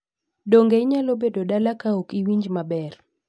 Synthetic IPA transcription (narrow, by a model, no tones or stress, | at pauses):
doŋɡeɪɲalobedodalakaokiwiɲd͡ʒmabɛr